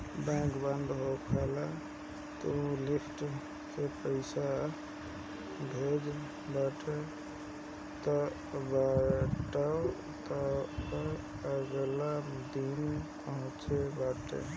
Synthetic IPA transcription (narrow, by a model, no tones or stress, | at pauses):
bɛ̃kbənd̪ɦokʰala | t̪ɔũlipʈ | kepəɪsa | bʱed͡ʒ | baʈʰe | t̪ɔ | baʈə | t̪ɔ | əɡlad̪inpəɦũt͡ʃʰebaʈḛ